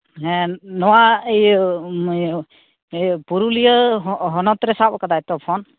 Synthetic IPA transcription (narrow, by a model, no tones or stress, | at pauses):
ɦɛnɔwaej | puɾulijəɦɔnɔt̪ɾɛsaɔkad̪ajt̪ɔpʰɔn